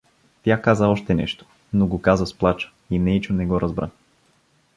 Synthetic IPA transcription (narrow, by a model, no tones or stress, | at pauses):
t̪ʲjakazəɔʃt̪ɛnɛ̰ʃt̪o̥ | noɡokazəsplˠat͡ʃə̥ | inɛit͡ʃonɛɡɔɾʔazbɾʔa̰